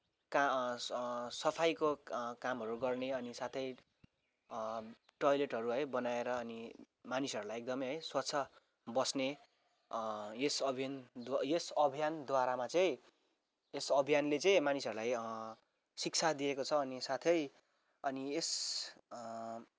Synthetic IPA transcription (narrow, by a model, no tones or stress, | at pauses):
ka | sʌpʰajkokamɦʌɾuɡʌrneʌnisat̪ʰʌj | ʈʌjleʈɦʌɾuɦʌjbʌnaeɾʌːni | manisʌɾulajek̚d̪ʌmʌjɦʌjswatt͡sʰʌ | bʌsne | jesʌbʱijand̪wjesʌbʱijand̪waɾamat͡sʌĩ | esʌbʱijanlet͡sʌĩmanisʌɾulaj | sik̚t͡sʰad̪iekot͡sʰʌːnisat̪ʰʌj | ʌnies